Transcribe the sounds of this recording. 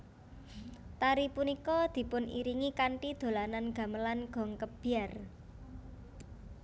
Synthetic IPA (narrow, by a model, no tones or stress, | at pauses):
t̪aɾipunikɔd̪̥i̤pʊnḭɾiŋikaɳʈid̪̥o̤lananɡ̥a̤məlanɡ̥ɔ̤ŋkəb̥iar